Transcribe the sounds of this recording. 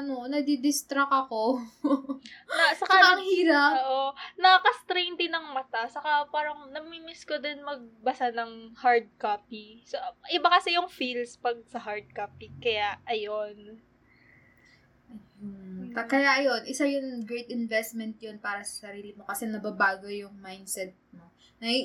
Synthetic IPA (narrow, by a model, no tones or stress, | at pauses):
ʔɐnonɐd̪id̪ɪst̪ɾɐkɐko | ɐsɐkaaʔɐŋhiːɾaoʔonɐkɐst̪ɾejnt̪ɪnɐŋmɐt̪asɐkapaːɾɐŋnɐmimɪskod̪ɪnmɐɡ̚bɐsanɐŋhaɹd̪̚kaːpisoʔɪbakɐsɛjʊŋfilspɐɡ̚sɐɦaɹd̪̚kaːpikɐjaʔɐjo̞n | k̪ɐkɐjaʔɐjo̞nʔɪsajʊŋɡɾejt̪ɪnvɛst̪̚mɛnt̪̚jonpaːɾɐsɐ̥sɐɾiːlɪmo̞kɐsɛnɐbɐbaːɡo̞jʊŋmajnsɛt̪̚mo̞ | nɐi